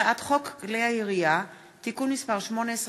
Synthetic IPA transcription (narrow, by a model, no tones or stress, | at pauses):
at̪χokɡleaiʁia | t̪ikunmispaʁʃmones